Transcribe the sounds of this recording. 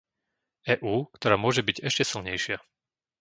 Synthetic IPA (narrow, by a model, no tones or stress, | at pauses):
ɛːʔuːkt̪ɔɾaːmʊɔʒɛbiɟɛʃcɛsilɲɛjʃɪa